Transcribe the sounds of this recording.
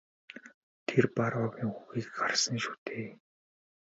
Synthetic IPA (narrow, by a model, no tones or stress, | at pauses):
t̪ʰerpaɾɔɣʲiːŋxuɣiːkɢarsə̆ŋʃu̥ːt̪ʰeː